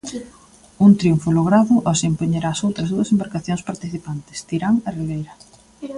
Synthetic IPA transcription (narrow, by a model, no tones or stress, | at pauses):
unt̪ɾiuɱfʊloɣ̞ɾaðʊʔɔsempoɲeɾaːsowt̪ɾɐzðuɐsembaɾkaθjoŋspaɾt̪iθipant̪ɪ̥st̪iɾaŋɐriβejɾɐ